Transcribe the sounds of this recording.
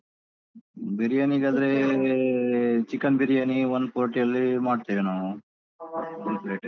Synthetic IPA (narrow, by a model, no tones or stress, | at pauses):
beɾijaːniːɡad̪ɐɾe | t͡ʃikːɐnbeɾijaːniʋonpoːɾʈijɐlːimaːɖt̪iʋenɐ | elpleːʈ